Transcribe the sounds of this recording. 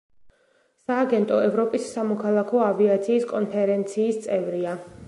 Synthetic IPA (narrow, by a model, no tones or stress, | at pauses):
saːɡɛnt̪ʼɔɛvɾɔpʼisːamɔkʰalˠakʰɔaviat̪sʰiːskʼɔnpʰɛɾɛnt̪sʰiːst̪sʼɛvɾia